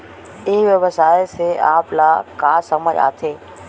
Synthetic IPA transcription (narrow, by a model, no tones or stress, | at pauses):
ɪɦʋəʋəsaːɪseʔaːplaːkaːsɐməd͡ʑa̰ːt̪ʰeː